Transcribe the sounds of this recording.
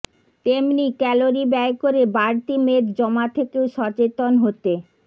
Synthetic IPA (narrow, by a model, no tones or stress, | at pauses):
t̪emnikɛloɾibɛekoɾebaɾt̪imed̪d͡ʑɔmat̪ʰekeoʃɔt͡ɕet̪onɦot̪e